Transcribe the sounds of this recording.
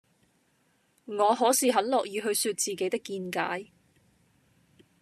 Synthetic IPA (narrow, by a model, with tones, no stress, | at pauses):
ŋɔː˨˧ɦɔː˨˥siː˨ɦɐ˨˥nlɔː˨k̚jiː˨˧ɦɵ˧ɥsyː˧t̚t͡siː˨˩ke˨˥jt̪ɪ˥kːiː˧nka̰ː˨˥j